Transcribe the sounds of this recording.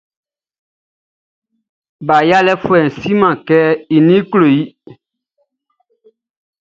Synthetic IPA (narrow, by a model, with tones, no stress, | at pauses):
ba˨ja˦lɛ˦fwɛ˨si˦mã˨kɛ˦i˨nĩ˦klo˨ji˦